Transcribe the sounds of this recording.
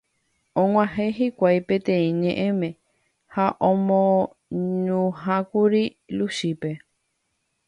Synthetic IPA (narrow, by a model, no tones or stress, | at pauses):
õŋʷãɦẽɦikʷajpẽt̪ẽĩɲẽʔẽ̞mẽ̞ | haʔõmõ | ɲũɦãkuɾi | luʃipe